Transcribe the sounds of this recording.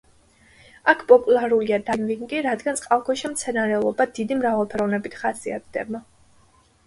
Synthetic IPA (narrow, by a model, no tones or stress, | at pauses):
akʰpʼɔpʼulˠaɾuliad̪anviŋɡiɾad̪ɡansʼqʼalˠkʰɔʃimt̪sʰɛnaɾɛlˠɔbad̪id̪imɾavalˠpʰɛɾɔvnɛbit̪ʰχasia̰t̪̚ʰd̪ɛ̰ba